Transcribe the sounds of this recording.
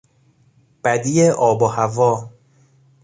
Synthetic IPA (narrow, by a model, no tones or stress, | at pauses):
b̥æd̪ijeʔɒːbohævɒː